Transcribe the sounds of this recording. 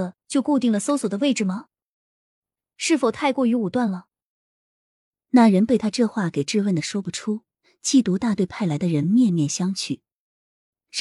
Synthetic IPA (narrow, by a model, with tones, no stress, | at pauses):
ə˨t͡ɕjo˥˧ʊku˥˧t̪i˥˩ŋlə˨˩so˥ʊswɔ˨˩d̪ə˦we˥˩ɪʈ͡ʂɻ̩˨˩mɐ˩ | ʂɻ̩˥˩fo˨˩ʊt̪ʰa˥˧ɪkwɔ˥˩y˧˥u˨˩t̪wa˥˩nlə˩ | na˥˩ɻə˧˥npe˥˩ɪt̪ʰa˥ʈ͡ʂɤ˥˧xwa˥˩ke˨˩ɪʈ͡ʂɻ̩˥˧wə˥˩d̪ə˩ʂwɔ˥pu˨˩ʈ͡ʂʰu˥ | t͡ɕʰi˥˩t̪u˧˥t̪a˥˧t̪we˥˧ɪpʰa˥˩ɪla˧˥ɪd̪ə˧ɻə˧˥nmjɛ˥˧nmjɛ˥˩nɕjɑ˥ŋt͡ɕʰy˥˩˦